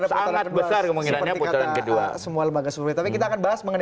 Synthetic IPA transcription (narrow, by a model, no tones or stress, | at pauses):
ɾasaaat̪̚bəsarkəməilapənɲatipɔkaɔɾaankədua̰səmualəmbaɡasuuit̪apikit̪aːkanbaɦasməŋən